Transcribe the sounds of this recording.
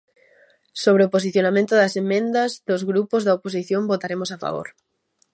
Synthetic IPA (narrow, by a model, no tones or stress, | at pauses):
soβɾeopos̬iθjonamẽnt̪ʊðɐsemːẽnd̪ɐzðʊzɣɾupozðɐopos̬iθjõmbot̪aɾemosafa̰βo̰ɾ